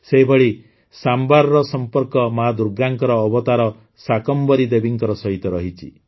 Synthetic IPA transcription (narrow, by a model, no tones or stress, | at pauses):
seɦibʱɔɽi | sambaɾɔɾɔsɔmpɔɾkɔmad̪uɾɡaŋkɔɾɔːbɔt̪aɾɔ | sakɔmbɔɾid̪ebiŋkɔɾɔsɔɦit̪ɔɾɔɦit͡ʃʰḭ